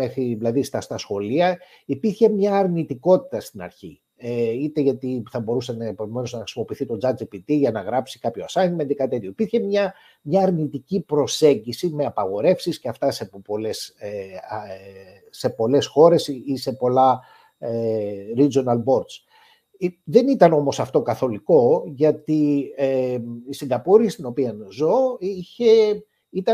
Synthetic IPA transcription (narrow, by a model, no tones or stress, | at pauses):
mexɾiðilɐðist̪ɐst̪ɐsxo̞liɐ | ipiɾçe̞mɲɐːɾnit̪iko̞t̪i̥t̪ɐst̪inɐ̰ɾçḭ | eit̪e̞ʝɐt̪iθɐbo̞ɾusenpevumeno̞znɐxɾi̥simo̞piːθit̪o̞d͡zɐd͡zipit̪iʝɐnɐɣɾɐpsikɐpço̞ɐsɐmend̪ikɐt̪et̪çoipiɾçe̞mɲɐ | mɲɐːɾnit̪icipɾo̞se̞ɲɟisime̞ɐpɐɣo̞ɾe̞fsisceɐft̪ɐse̞poles | se̞po̞le̞sxo̞ɾe̞sise̞po̞lɐ | eɾid͡ʒonɐlbo̞ɾd̪s | ðe̞nit̪ɐno̞mo̞sɐft̪o̞kɐθo̞liko̞ʝɐt̪ieisiŋɡɐpoɾist̪ino̞piɐnzoiçe̞ | it̪ɐ